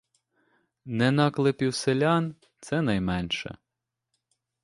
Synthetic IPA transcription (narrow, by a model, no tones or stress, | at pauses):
nɛnɑklˠɪpʲiwselʲɑn | t̪sɛnɑjmɛnʃɛ̰